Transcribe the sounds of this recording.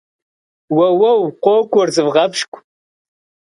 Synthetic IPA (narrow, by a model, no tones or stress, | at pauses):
wɐwɐwqʷoːkʷʼʊrzɨvʁɐpʃkʷʰʼ